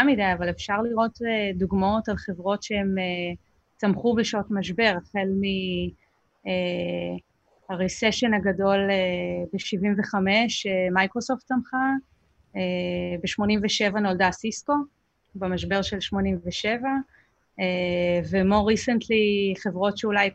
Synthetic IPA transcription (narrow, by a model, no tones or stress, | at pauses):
amidajavale̞fʃaʁliʁo̞teduɡmaotalχe̞vʁo̞tʃee̞me | t͡samχubeʃotmaʃbe̞ʁχelmi | e | haʁiseʃe̞nhaɡado̞lebeʃivimve̞χame̞ʃemajkʁo̞so̞ftsamχa | ebeʃmo̞nimveʃe̞vano̞ldasisko̞ | bemaʃ̬be̞ʁʃe̞lʃmo̞nimveʃe̞va | evemo̞ʁisentliχe̞vʁo̞tʃeulaj